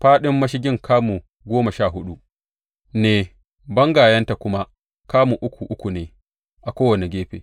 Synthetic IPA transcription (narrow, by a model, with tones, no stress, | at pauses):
ɸaː˦ɗɪ˦mːɐ˦ʃɪ˦ɡʲɪ˦ŋkʰaː˦mu˨ | ɡʷoː˦ma˨ʃaː˦˨ɦʊ˦ɗu˦ | neː˨ | bɐ˦ŋɡaː˨jɐ˦nta˨kʷʊ˦ma˦ | kaː˦mu˨ʔʊ˦kʷu˨ʔʊ˦kʷu˨neː˨ | ʔa˨kʷoː˦wɐ˨ne˨ɡʲeː˦ɸḛː˨